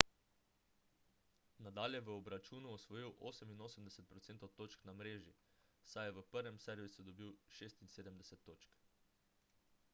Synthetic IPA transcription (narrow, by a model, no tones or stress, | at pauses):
nad̪aːljɛʋəɔbɾat͡ʃuːnuɔsʋɔjiwʔo̰ːsɛminoːsəmd̪ɛsɛt̪̚pɾɔt̪seːnt̪ot̪oːt͡ʃknamɾeːʒisajɛʋəpəɾʋɛmsɛɾʋisud̪ɔbiwʃeːst̪inseːd̪əmd̪ɛsɛt̪ːoːt͡ʃk